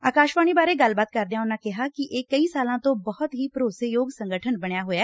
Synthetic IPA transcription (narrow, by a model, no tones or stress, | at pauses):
aːkaːʃʋaːɽ̃iːbaːɾeːɡəlbaːt̪̚kəɾd̪ejãːʊnːãːkɪɦaːkiʔeːkəiːsaːlãːt̪õːbɔɦʊt̪ɦiːpɾoːsejoːɡsə̃ŋɡəʈʰənbəɽ̃jaːɦoːjaː